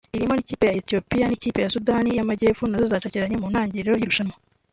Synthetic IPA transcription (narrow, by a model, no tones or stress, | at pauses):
iɾimo̞niciːpe̞jaetijo̞pijaniciːpe̞jasudaːnijamaɟe̞ːfunazozaːt͡ʃaciɾaɲemun̥haːɲɟiɾɾeɾojiɾuʃanmo